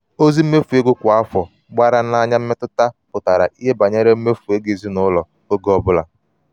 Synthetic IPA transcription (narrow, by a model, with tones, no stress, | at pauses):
o˦zi˦m̩˦me˦fu˨e˦ɡʊ˦kʷa˦fɔ˨ | ɡ͡ba˦ɾa˦na˦ɲa˦m̩˦me˦tʊ˦ta˦pʊ˨ta˨ɾa̰˨ʔi˦ɦe˦ba˨ɲe˦ɾe˦m̩˦me˦fu˨e˦ɡe˨zi˦nʊ˨˦lɔ˨ | o˦ɡɔ˦bʊ˦la̰˨